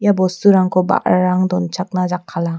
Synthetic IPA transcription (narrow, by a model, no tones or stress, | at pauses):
jabɔsuɾaŋkʰɔba̰ʔɾaŋdɔnt͡ʃak̚nad͡ʒakʰːala